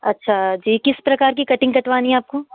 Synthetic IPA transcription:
ɐtːʃʰad͡ʒiːkɪspɾɐkaːɾk̬ikɐʈɪ̃ŋɡkɐʈʋaːniɛaːp̚koː

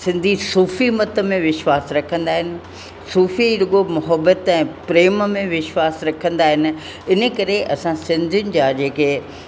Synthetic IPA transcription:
sɪ̃nd̪ʱisuːfimɐt̪ə̆mẽʋɪʃwaːsɾɐkʰə̃nd̪aːɦɪnɪ̆ | suːfiɾʊɠomʊɦəbət̪ɛ̃ːpɾeːmmẽʋɪʃwaːsɾɐkʰə̃nd̪aːɦɪnɪ̆ | ɪnə̆kɐɾeʔɐsãsɪ̃nd̪ʱiʊnɪ̆d͡ʑaːd͡ʑeːkeː

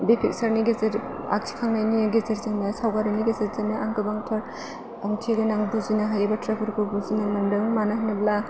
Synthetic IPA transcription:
bipʰik̚saɾniɡezeɾ | a̰k̚tʰi̥kʰaŋnajniɡezeɾzɯŋnasawɡaɾɯniɡezeɾzɯmnaaŋɡɯbaŋtʰɔɾ | aŋtʰieɡanaŋbuzinaɦajabatɾabɯɾkʰubuzinamɐndɯŋmanahnɯbla

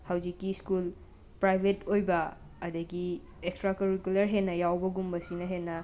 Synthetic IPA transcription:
hawd͡ʒikːiskul | pɾajbʱetojbɐː | dɐɡi | ekstɾakɐɾikulɐɾɦenːɐjawbɐɡumbɐsinɐɦenːɐ

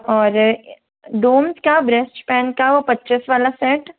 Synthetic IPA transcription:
ɔːɾ | ɖoːmskabɾɛsʈpɛ̃ːnkaʋopɐtːt͡ʃɪsʋaːlasɛːʈ

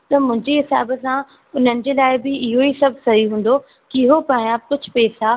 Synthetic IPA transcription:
t̪ɐmʊ̃ɦɪ̃ɲd͡ʑeɦɪsa̰ːbəsã | ʊn̤ənɪ̆d͡ʑeːlaːɪbɪɪɦoisɐbʱsɐɦiɦũːn̆d̪o | kɪɦopãːjaːb̚kʊd͡ʑʱʊ̆pɛːsa

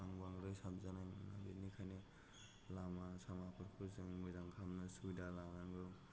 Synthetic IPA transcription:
aŋbaŋɾɯsabzanajnabinikʰane | lamasamapʰɯɾkʰuzɯŋmɯjzaŋkʰamnɯsudalanaŋɡɯ

